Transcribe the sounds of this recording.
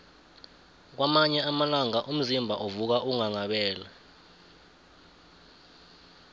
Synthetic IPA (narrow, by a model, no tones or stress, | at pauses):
k̬wamaɲɛamalaŋaʔum̩zimbʱaʔovuk̬aʔuŋaŋaɓɛːla